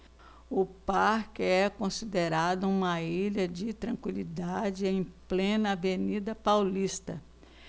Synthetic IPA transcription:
ʊpaɾkɪɛkõsid̪eɾad̪ʊũmɐiʎɐd͡ʒɪt̪ɾɐ̃ŋkwilid̪ad͡ʒɪẽj̃plẽnɐːvenid̪ɐpawlist̪ɐ

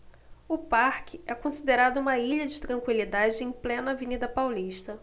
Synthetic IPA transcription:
ʊpaɾkɪɛkõsid̪eɾad̪ʊũmɐiʎɐd͡ʒɪt̪ɾɐ̃ŋkwilid̪ad͡ʒɪẽj̃plẽnɐːvenid̪ɐpawliʃt̪ɐ

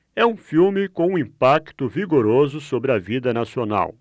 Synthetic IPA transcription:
ɛũfiwmɪkõw̃ũĩpakt̪ʊviɡoɾozʊsobɾɪɐvid̪ɐnasiona̰w

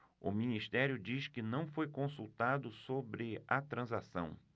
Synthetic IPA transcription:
ʊ̰mĩnist̪ɛɾjʊd͡ʒiskɪnɐ̃w̃fojkõsuwt̪ad̪ʊsobɾɪɐt̪ɾɐ̃zasɐ̰̃w̃

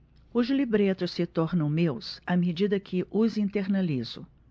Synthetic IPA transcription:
ʊzlibɾet̪ʊssɪt̪ɔɾnɐ̃w̃mewsɐmed͡ʒid̪ɐkʰɪʔʊzĩnt̪eɾnaliz̥ʊ̰

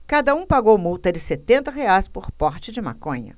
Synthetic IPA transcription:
kad̪ɐũpaɡowmuwt̪ɐd͡ʒɪset̪ẽnt̪ɐɦeajspoɾpɔɾt͡ʃɪd͡ʒɪma̰kõɲɐ̰

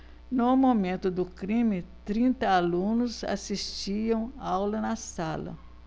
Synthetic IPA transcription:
nʊmomẽnt̪ʊd̪ʊkɾĩmɪt̪ɾĩnt̪ɐalũnʊza̰sist͡ʃiɐ̃w̃awlɐnɐsalɐ̰

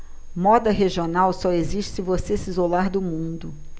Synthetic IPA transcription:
mɔd̪ɐɦeʒionawsɔeziʃt͡ʃɪsɪvosesizolaɾd̪ʊmũnd̪ʊ

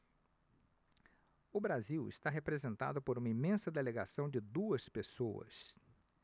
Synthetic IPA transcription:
ʊbɾaziwɪ̰st̪aɦepɾezẽnt̪a̰d̪ʊpoɾũmɐimẽsɐd̪eleɡasɐ̃w̃d͡ʒɪd̪uɐspesoɐ̰s

